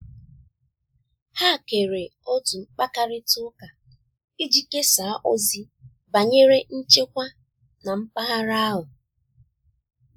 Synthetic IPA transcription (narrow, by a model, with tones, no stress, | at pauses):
ha˦˨ke˨ɾe˨ɔ˦tu˨ŋ͡m̩˦k͡pa˦ka˦ɾɪ˦tʊ˦ka˨ | i˦d͡ʒi˦ke˦sa˨a˦ʔo˦zi˦ | ba˨ɲe˦ɾe˦n̩˦t͡ʃe˦kʷa˦ | na˨m̩˦k͡pa˦ɦa˦ɾa˦a˦ɦʊ˨